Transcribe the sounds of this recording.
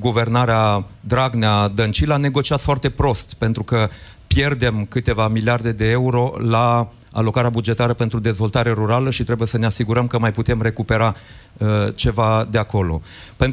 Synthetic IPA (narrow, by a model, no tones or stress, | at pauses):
ɡuve̞rnaɾead̪ɾaɡnead̪ənt͡ʃilane̞ɡo̞t͡ʃiat̪foart̪e̞pɾo̞st̪pe̞nt̪ɾukə | pje̞rd̪e̞mkɨt̪e̞vamiliard̪e̞d̪e̞euɾo̞la | a̰lo̞kaɾeabud͡ʒe̞t̪aɾəpe̞nt̪ɾud̪e̞zvo̞lt̪aɾe̞ɾuɾaləʃit̪ɾe̞buje̞səne̞asiɡuɾəmkəmajput̪e̞mre̞kupe̞ɾa | t͡ʃe̞vad̪e̞ako̞lo̞̰pe̞nt̪